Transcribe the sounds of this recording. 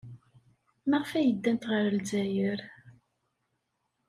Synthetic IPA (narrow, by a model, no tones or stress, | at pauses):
məʁəfæjəd̪ːænt̪ʁəɾəlzæjəɾ